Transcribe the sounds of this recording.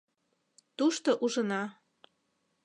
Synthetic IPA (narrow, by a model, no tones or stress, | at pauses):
t̪uʃt̪oʔuʒənɑ